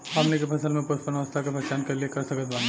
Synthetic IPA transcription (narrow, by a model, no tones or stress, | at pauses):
ɦɐmnikepʰɐsəlmẽpʊɾpənʋɐst̪ʰakepɛt͡ʃaːnkɐliekɐɾsɐkət̪baːn